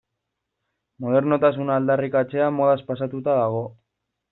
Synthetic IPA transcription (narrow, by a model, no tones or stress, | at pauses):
mo̞ð̞e̞ɾno̞t̪as̬unald̪arikat͡se̞amo̞ð̞aspasat̪ut̪aðaɣ̞o̞